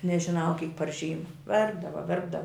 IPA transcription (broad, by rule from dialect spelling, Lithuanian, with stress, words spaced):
nʲɛʒʲɪˈnɐʊ kʲiːk pɐr ˈʒʲiːmɐ ˈʋʲɛrbdɐʋɐ ˈʋʲɛrbdɐʋɐ